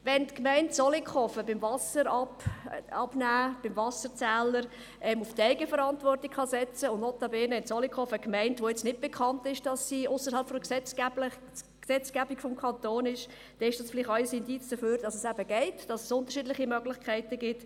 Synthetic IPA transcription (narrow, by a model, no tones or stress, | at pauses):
ʋɛntkmɛɪntsɔlikʰɔfəbɪmvɑsəɾɑ | ɑb̥næːb̥ɪmvɑsəɾt͡sæːləɾ | ʔɛmʊftɛɪɡəfəɾɑntʋɔrtikχɑsɛt͡səʊndnɔtɑbeːnəɪnsɔlikχɔfəkmɛɪntʋoːjɛt͡stnɪt̚b̥ekʰχɑntɪʃd̥ɑsːiʊsəɾ̩hɑlpfɔksɛt͡sːbl | ksɛt͡sɡ̥æbikfɔmkʰχɑntoːnɪʃ | d̥ɛɪʃd̥ɑsfɪlɪχɑjsɪndit͡sd̥əføːɾd̥ɑsəsæb̥əɡ̥ɛɪtd̥ɑsəsʊnt̪əɾʃiːdlɪχimœɡlɪχkʰæɪtəɡɪt